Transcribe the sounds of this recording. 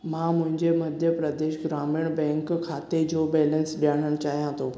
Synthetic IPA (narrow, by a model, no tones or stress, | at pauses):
mãmʊ̃ɦɪ̃ɲd͡ʑemɐd̪ʱjəpɾəd̪eːʃɡɾaːmiɽ̃bɛ̃ːŋkkʰːaːt̪ed͡ʑobɛːlə̃nsɗijaːɽ̃əɽ̃t͡ɕaːɦijãt̪ʰoː